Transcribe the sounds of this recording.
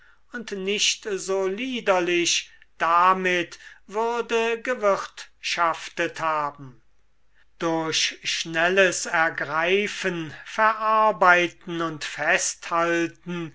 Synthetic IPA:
ʊntnɪʃtzoːliːdɐlɪʃd̥amɪtvʏʁdəɡəvɪʁtʃaftəthaːbm̩ | d̥ʊɐɕʃnɛləsɛɐɡʁaɪfənfɛɐʔaɐbaɪtn̩ʊntfɛsthaltn̩

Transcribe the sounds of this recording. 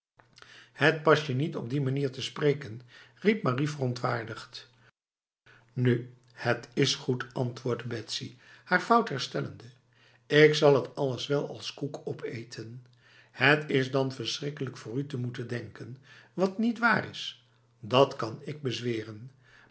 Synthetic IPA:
hət̚pɑsjənitɔb̚dimaniːɹtəsprejkənrip̚marivərɔntʋaːɹdəχt | ny | hətɪsχutɑntʋʊːɹdəbɛtsihaːɹfʌwtɦɛɹstɛlə̰ndə | ɪksɑlˠɦətɑlˠəsʋɛlˠɑlˠskukʰɔpʰejtʰən | hətɪzdɑnvəɹsrɪkələkfʊːrytəmutəndɛŋkənʋɑtnitʋaːrɪs | dɑtkɑnɪɡ̚bəzʋɪːrən

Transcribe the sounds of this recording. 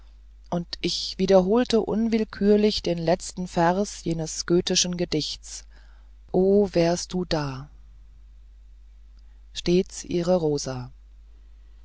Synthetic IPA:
ʔʊntʔɪçv̥iːdɐɦoːltəʔʊ̰nvɪlkʰyːɐlɪçd̥eːnlɛt͡stn̩fɛɐsjeːnəsɡ̥øːtɪʃn̩ɡədɪçt͡s | ʔoːvɛːɐst̚d̥uːdaː | ʃteːt͡sʔḭːʁəʁoːza

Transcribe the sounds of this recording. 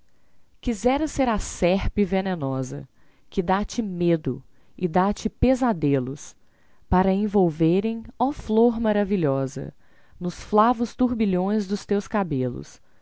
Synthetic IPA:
kizɛɾɐseɾasɛɾpɪvenenɔzɐ̰ | kɪd̪at͡ʃɪmed̪ʊ | ɪd̪at͡ʃɪpezad̪elʊs | paɾɐẽvowveɾẽj̃ɔfloɾmaɾaviʎɔzɐ̰ | nʊsflavʊst̪uɾbiʎõj̃zd̪ʊst̪ewskabelʊ̰s

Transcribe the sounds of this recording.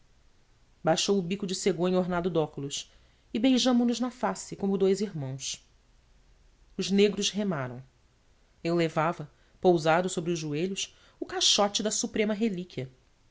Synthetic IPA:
bajʃowʊbikʊd͡ʒɪseɡõẽɲoɾnad̪ʊd̪ɔkʊlʊʃ | ɪbejʒɐ̃mʊnʊznɐfasɪkõmʊd̪ojziɾmɐ̃w̃s | ʊzneɡɾʊʃɦemaɾɐ̰̃w̃ | ewlevavɐ | powzad̪ʊsobɾiʊʒʒueʎʊs | ʊkaʃɔt͡ʃɪd̪ɐsupɾẽmɐɦelikiɐ

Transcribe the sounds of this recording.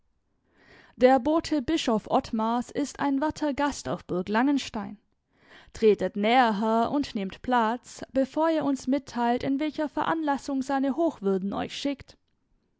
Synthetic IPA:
d̥eːɐboːtʰəbɪʃɔfʔɔtmasɪsta̰ɪnvaɐtʰɐɡasta̰ʊfb̥ʊɐklaŋənʃtaɪn | tʁ̥eːtətnɛːəɦɛʔʊntnɪmtpʰl̥at͡sb̥əfoːɐiːɐʊnsmɪtʰːaɪltɪnvɛlçɐfɛɐʔa̰nlasʊŋzaɪnəhoːxv̥ʏɐdn̩ɔ̰ʏçʃɪkt

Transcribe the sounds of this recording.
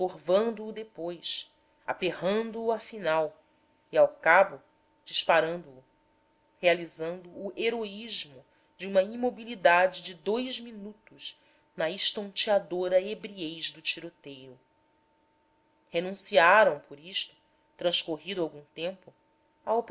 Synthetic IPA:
oɾvɐ̃nd̪uːd̪epojs | a̰peɦɐ̃nd̪uːafinaw | iawkabʊ | d͡ʒiʃpaɾɐ̃nd̪ʊː | healizɐ̃nd̪uːʔeɾoiʒmʊ | d͡ʒɪũmɐimobilid̪ad͡ʒɪd͡ʒɪd̪ojʒminut̪ʊz | nɐiʃt̪ɐ̃nt͡ʃiad̪oɾɐebɾiejʒd̪ʊt͡ʃiɾot̪ejɾʊ | henũsiaɾɐ̃w̃pʰoɾiʃt̪ʊ̥ | t̪ɾɐ̃ʃkoɦid̪ʊawɡũt̪ẽmpʊ | aop

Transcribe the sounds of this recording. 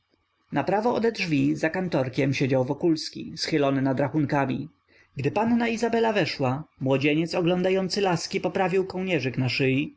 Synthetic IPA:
napɾavɔːd̪ɛd̪ʐvʲizakant̪ɔɾkʲɛmɕed͡ʑawvɔkulskʲḭsxɘlɔnɘnad̪ɾaxuŋkamʲi | ɡd̪ɘpanːaizabɛlavɛʂwamwɔd͡ʑeɲɛt̪sɔɡlɔnd̪ajɔnt̪sɘlaskʲipɔpɾavʲiwkɔwɲɛʐɘknaʂɘji

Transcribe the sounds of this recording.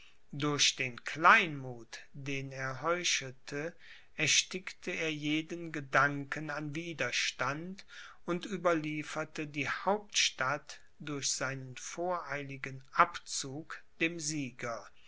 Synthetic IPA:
dʊɐʃd̥eːnkl̥aɪnmuːtd̥eːneːɐɦɔʏʃətʰə | ɛɐʃtɪktʰəeːɐjeːdənɡədaŋkənanviːdɐʃtant | ʊntʔyːbɐliːfɐtədiːhaʊptʃtat | d̥ʊɐçz̥aɪnənfoːɐʔaɪlɪɡənʔapt͡suːkd̥eːmziːɡɐ

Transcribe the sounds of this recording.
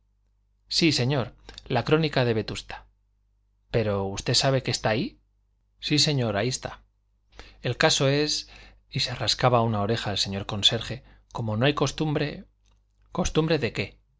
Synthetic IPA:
sise̞ɲo̞ɾlakɾo̞nikaðe̞βe̞t̪ust̪ḁ | pe̞ɾo̞ust̪e̞saβe̞ke̞st̪aːi | sise̞ɲo̞ɾaiest̪a | e̞lkaso̞e̞s | isearaskaβaunao̞ɾe̞xaelse̞ɲo̞ɾko̞nse̞ɾxe̞ | ko̞mo̞no̞ajkost̪umɾe | ko̞st̪umbɾe̞ðe̞ke̞

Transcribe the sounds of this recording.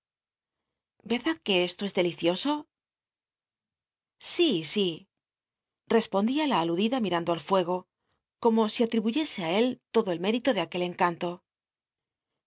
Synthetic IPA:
be̞ɾðaðke̞e̞st̪o̞e̞zðe̞liθjo̞so̞ | sisi | re̞spo̞nd̪ialaːluðiðamiɾand̪oalfwe̞ɣ̞o̞ | ko̞mo̞siat̪ɾiβuʝe̞se̞ae̞lt̪o̞ðo̞e̞lme̞ɾit̪o̞ðe̞ake̞le̞ŋkant̪o̞

